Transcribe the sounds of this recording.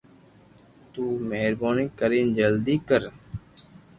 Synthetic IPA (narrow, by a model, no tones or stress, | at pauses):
t̪uːmeːɾboːnikəɾiːnd͡ʒəld̪iːkəɾ